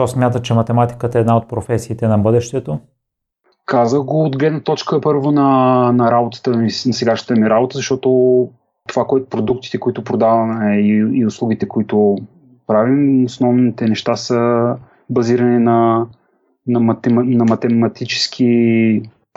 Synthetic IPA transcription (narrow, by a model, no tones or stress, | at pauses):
t̪ɔsmʲjat̪ət͡ʃɛmɐt̪ɛmat̪i̥kət̪ɛːd̪naot̪̚pɾofɛsiːt̪ɛnɐbɤd̪ɛʃt̪ɛt̪o | kazəxɡoːd̪ɡlɛd̪nət̪ɔt͡ʃkəpɤɾvonɐnɐɾabot̪ə̥t̪əminɐsɛɡaʃnə̥t̪əmiɾabot̪əzɐʃt̪ɔt̪o | t̪ovakoɛt̪ʊ̥pɾod̪ukt̪i̥t̪ɛkoit̪ʊpɾod̪avɐmɛiːʊslˠuɡ̟it̪ɛkoit̪ʊ | pɾavimosnɔvnit̪ɛnɛʃt̪asə | bɐziɾɐninɐ | nɐmɐt̪ɛnɐmɐt̪ɛmɐt̪it͡ʃɛ̥skʰi